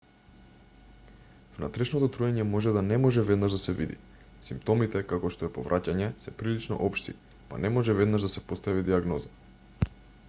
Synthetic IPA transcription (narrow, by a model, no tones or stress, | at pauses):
vnat̪ɾɛʃnɔt̪ɔt̪ɾuɛɲɛmɔʒɛd̪anɛmɔʒɛvɛd̪naʒd̪asɛvid̪ḭ | simpt̪ɔmit̪ɛkakɔʃt̪oɛpovɾʔacaɲɛsɛpɾilit͡ʃnɔ̰ʔɔpʃt̪ḭ | pa̰nɛmɔʒɛvɛd̪naʒd̪asɛpost̪avid̪iaɡnɔza